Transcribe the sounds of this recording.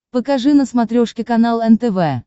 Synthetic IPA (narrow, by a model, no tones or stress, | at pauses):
pəkɐʐɨnəsmɐt̪ɾʲoʂkʲɪkɐnalˠɛnt̪ɛvɛ